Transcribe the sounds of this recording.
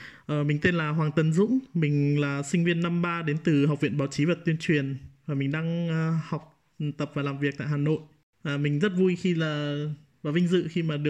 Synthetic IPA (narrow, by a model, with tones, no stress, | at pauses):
ʔəː˨˩mï˨˩ŋ̟t̪e˧nlaː˨˩ɦwaː˨˩ŋt̪ə˨˩nzʊ̰˧˥ŋ͡mmï˨˩ŋ̟laː˨˩sï˧ŋ̟vi˧ənːa˧mɓaː˧ɗe˨˦nt̪ɨ˨˩ɦa˨˩k͡p̚vḭ˧˨ənɓaː˨˦wt͡ɕi˨˦və˨˩t̚t̪wi˧ənt͡ɕwi˨˩ənvaː˨˩mï˨˩ŋ̟ɗaː˧ŋː˧hɔ˨˩wk͡p̚ | t̪ə˨˩p̚vaː˨˩laː˨˩mvi˨˩ək̚t̪a̰ː˧˨jhaː˨˩no̰˧˨j | vaː˨˩mï˨˩ŋ̟zə˦˥t̚vu˧jxi˧laː˨˩ | vaː˨˩vï˧ŋ̟zɨ̰˧˨xi˧maː˨˩ɗɨ˨˩ə